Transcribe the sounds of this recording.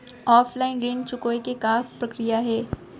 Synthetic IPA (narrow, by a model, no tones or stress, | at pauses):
ɔːfʰlaːɪnɾẽːnt͡ʃʊkoːekekaːfpɾɐkɾijaɦɛː